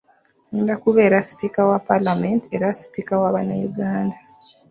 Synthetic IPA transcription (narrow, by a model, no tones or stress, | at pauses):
nindakuβeːɾasi̥pikawapalamentieɾasi̥pikawaβanajuɡaːnda